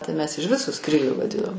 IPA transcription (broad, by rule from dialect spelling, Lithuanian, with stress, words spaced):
tɐɪ mʲɛs ɪʃ ˈʋʲɪsʊ ˈskrʲiːlʲʊ ʋɐˈdʲɪnoːm